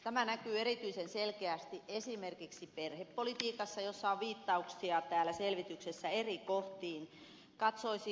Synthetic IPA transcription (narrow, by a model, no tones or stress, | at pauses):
t̪æmænækyːerit̪yisenselkeæst̪iʔesimerkiksiperhepːolit̪iːkɑsːɑjosːɑoʋʋiːt̪ːɑuksiɑt̪æːlæselʋit̪yksesːæerikoht̪iːn | kɑt̪soisi